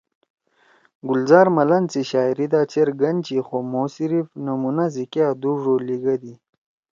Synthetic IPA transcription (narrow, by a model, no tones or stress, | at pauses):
ɡulzaːɾmɐlɐnt͡siɕaːiɾid̪aːt͡ɕeɾɡɐnt͡ɕixomoːsiɾifnɐmunazikaːd̪uʐoliɡɐd̪i